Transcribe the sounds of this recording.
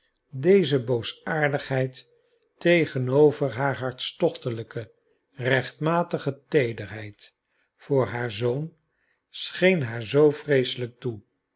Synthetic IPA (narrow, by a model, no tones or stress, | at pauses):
dejzəbowsaːɹdəχɦɛjt | ejχənowvəɹɦaːɹɦɑɹtstɔχtələkə | rɛχtmaːtəχətejdəɹɦɛjt | fʊːɹɦaːɹzown | sχejnɦaːɹzowfrejsələk̚tu